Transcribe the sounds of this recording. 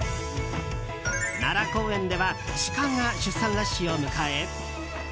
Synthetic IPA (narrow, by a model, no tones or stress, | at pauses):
naɾako̞ːẽ̞nd̪e̞βaɕi̥kãŋːaɕɨsãnlaɕio̞mɯ̟kae